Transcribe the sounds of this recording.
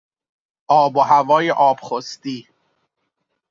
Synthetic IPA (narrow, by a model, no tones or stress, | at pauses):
ʔɒːboɦævɒːjeʔɒːb̥χost̪iː